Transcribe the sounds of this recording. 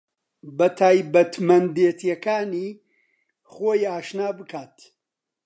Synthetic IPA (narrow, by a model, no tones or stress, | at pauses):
bɐt̪ʰaːjbɐt̪mɐnd̪eːt̪ʰjɐkaːniː | χoːjaːʃnaːbɨkʰaːt̪